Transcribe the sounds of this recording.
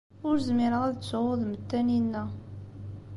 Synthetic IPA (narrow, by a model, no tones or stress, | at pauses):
ʊɾzmɪɾəʁæðət͡sːʊðmət̪ːæninːæ